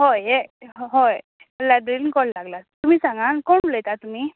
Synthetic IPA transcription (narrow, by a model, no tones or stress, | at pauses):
ɦojeɦɦoj | məlːaɖɾilkɔllaɡlat̪um̤iːsãŋɡankoɳləjt̪at̪um̤iː